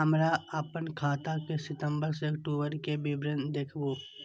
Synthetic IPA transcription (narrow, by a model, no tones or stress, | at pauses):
ɦəmɾaəpənkʰaːt̪akesɪt̪ə̃mbəɾseɐkʈoːbəɾkebibɾənd̪eːkʰbo